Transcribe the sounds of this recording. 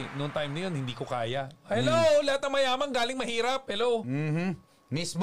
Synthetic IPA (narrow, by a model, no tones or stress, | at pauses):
nʊŋt̪ajmnɐjo̞nhɪnd̪iːkokaːjaʔhɛlowlɐhat̪̚nɐŋmɐjaːmɐnŋɡaːlɪŋmɐhiːɾɐp̚hɛlowmm̩ːh | mɪsb